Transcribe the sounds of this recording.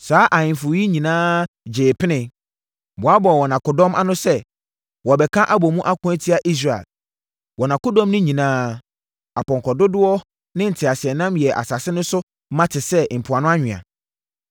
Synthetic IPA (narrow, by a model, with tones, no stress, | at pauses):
saː˨˦ʔa˨ɲɪ̃˨m˨fʊ˨˦i˦ɲĩ˨nãː˦ | d͡ʑeː˨pʰɪ˦nɪ̃˨ | bʊ˨a˦bɔ˨wɔ˨nã˨kʊ˨dɔ̃˦mʔa˦nʊ̃˦sɛ˦ | wɔ˨bɛ˨kʰã˦ʔa˦bɔ˨mũ˦ʔa˦kʰʊ̃˦ɛ˦tʰi˦a˦ʔi˦s̬ɾa˨ḛ˨l | wɔ˨nã˨kʊ˦dɔ̃˦mnɪ̃˦ɲĩ˨nãː˦ | a˨pɔ̃˨ŋkʰɔ˨dʊ˦dʊ˦ɔ˦ | nɪ̃˦n̩˨tʰɪ˨a˨sɪ˨ɛ˨nã˦mjɛ˨ʔa̰˨sa˨sɪ˦nʊ̃˦sʊ˦ | mã˦tʰɪ˨sɛ˦m̩˨pʰʊ˨a˨nʊ̃˦a˦ɲᶣɪ̃˨a̰˨